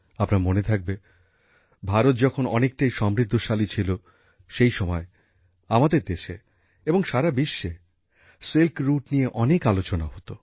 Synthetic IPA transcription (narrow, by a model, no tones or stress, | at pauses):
apnaɾmonet̪ʰak̚be | bʱaɾot̪̚d͡ʑɔkʰonɔ̰nek̚ʈajʃɔmɾid̪ʱːoʃalit͡ɕʰilo | ʃejʃɔmɔe | amad̪eɾd̪eʃḛ | eboŋʃaɾabiʃːe | selkɾuʈnijeʔɔnekalot͡ɕonaɦot̪o